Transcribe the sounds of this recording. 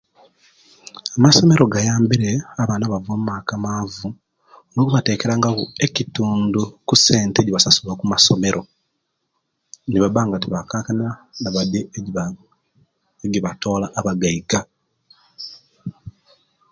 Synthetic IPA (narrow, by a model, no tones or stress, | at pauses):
amaso̞me̞ɾo̞ɡajaːmbiɾe̞aβaːnaβavoːmumaːkamaːvu | onoːkuβate̞ːke̞ɾaŋɡaβue̞cituːndukuse̞ːnteɟiβasasulakumaso̞me̞ɾʔo̞ | niβaβaːŋɡatiβakaːkanianaβade | eɡiβato̞ːlaʔːβaɡaiɡa